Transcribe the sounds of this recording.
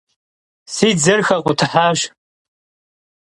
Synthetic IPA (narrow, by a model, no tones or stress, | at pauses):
sid͡zɨrxakʷʼʊtʰħaʒʷ